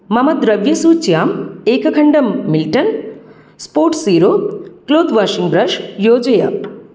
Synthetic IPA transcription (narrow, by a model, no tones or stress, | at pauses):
mɐmɐd̪ɾɐʋjɐsuːt͡ʃjaːmeːkɐkʰɐɳɖɐmːilʈɐn | spoːɾʈsiːɾoːkloːd̪ʋaːʃiŋbɾɐʃjoːd͡ʒɐjɐ